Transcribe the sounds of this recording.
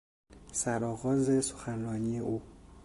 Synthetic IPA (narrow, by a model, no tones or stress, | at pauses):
sæɾɒːɣɒːzeso̥xænɾɒːnije̞ʔuː